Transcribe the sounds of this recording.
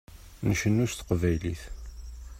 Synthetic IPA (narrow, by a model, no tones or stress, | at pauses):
nəʃənːust̪ə̥qvæjliθ